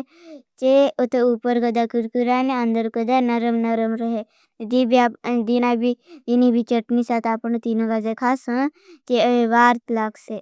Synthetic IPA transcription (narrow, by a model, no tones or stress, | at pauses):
t͡ʃeʊt̪uːpəɾkəd̪akəɾkiɾaːnẽɐ̃nd̪əɾkəd̪anɐɾəmnɐɾəmɾəɦe | d̪ibad̪iːnabʱiinibʱit͡ʃəʈnisaːt̪aːpənt̪iːnoɡazekʰaːsɦə̃ | t͡ʃeəeʋaːɾt̪laːkʰse